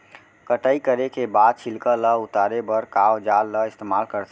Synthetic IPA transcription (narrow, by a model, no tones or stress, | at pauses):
kəʈəikəɾekebad̪̚t͡ʃʰilkələut̪aɾebəɾkawd͡ʒalːəɪst̪emalkəɾt̪ʰ